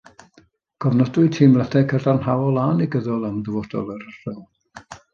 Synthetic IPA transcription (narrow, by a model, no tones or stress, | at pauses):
ɡ̥ɔvnɔdʊɨtʰiːmlɛdʰɛkʰərdanhawɔlˠaːniɡəðɔlˠamðəvɔd̥ɔ̰lˠəɾər̥ɔl